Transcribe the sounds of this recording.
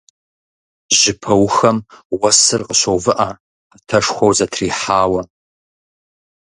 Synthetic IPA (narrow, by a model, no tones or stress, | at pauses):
ʑɪpʰɐwxɐmwɐsɨrqəɕɐwvɨʔa | qətʰɐʂxʷɐwzɐtʰriːħaːwɐ